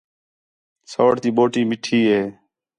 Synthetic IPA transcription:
soːɽt̪iːɓoːʈiːmɪʈʰiːɦeː

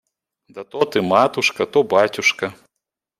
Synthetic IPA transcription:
d̪ɐt̪ɔt̪ɨmat̪uʂkɐt̪ɔbat͡sʲuʂkɐ

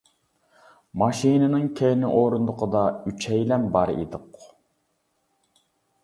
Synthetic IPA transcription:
mɑʃinɨnɨŋkʲʰejnɪʔoːɾund̪ʊqʰəd̪ɑyt͡ʃʰɛjlɛnbɑɾḭd̪ɨq

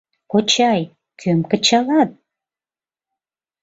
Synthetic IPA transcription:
kot͡ɕɑj | kʰømkə̆t͡ɕɑlɑt̪̚

